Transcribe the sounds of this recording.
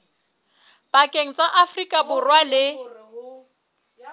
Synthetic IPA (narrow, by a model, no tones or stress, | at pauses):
b̥akʼeŋ̩t͡sʼaʔafrikʼabʊrwalɪ